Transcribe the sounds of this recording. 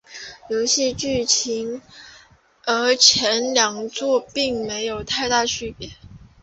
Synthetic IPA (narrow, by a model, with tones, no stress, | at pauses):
jo˧˥ʊɕɛ˥t͡ɕy˥˩t͡ɕʰi˧˥ŋ | ə˧˥t͡ɕʰjɛ˧˥nljɑ˨˩ŋt͡swɔ˥˧pi˥˩ŋme˧˥ɪjo˨˩ʊt̪ʰa˥˧ɪt̪a˥˧ɕy˥˩pjɛ˧˥